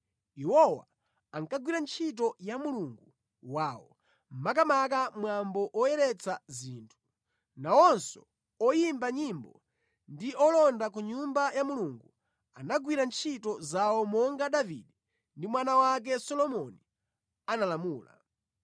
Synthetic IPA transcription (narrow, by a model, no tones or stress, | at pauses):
iwɔwa̰ | aŋkaɡwiɾant͡ʃʰit̬ɔjamuluŋɡu | waːwɔ | m̩mak̬amak̬amwambɔʔɔjɛɾɛt͡saziːntʰu̥ | nawɔnsɔ̰ | ɔjimbaɲimbɔ | ndiʔɔlɔndakuɲumbajamuluŋɡu | anaɡwiɾant͡ʃʰitɔzawɔmɔŋɡaɗaviɗɛ | ndimwanawak̬ɛsɔlɔmɔni | analamuːla̰